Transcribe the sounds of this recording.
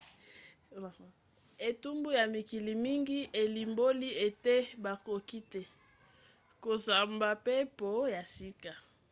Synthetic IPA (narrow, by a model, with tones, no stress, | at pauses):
e˨tu˦mbu˦ja˨mi˨ki˨li˨mi˦ŋɡi˦ʔe˨li˨mbo˦li˦e˨te˦ba˨ko˨ki˦te˨ | ko˨za˨mba˨pe˦po˨ja˨si˦ka˨